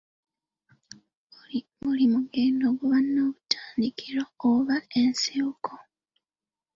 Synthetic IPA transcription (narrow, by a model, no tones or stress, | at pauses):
mulimuɡenoβuβanːoːβutʰaːndikiɾooβaensiokʰo